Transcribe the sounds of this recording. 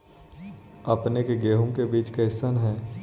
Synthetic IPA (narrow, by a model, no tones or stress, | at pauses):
ɐpnekeɡeːɦũkebiːt͡ʃkeɦɪsənɦɛː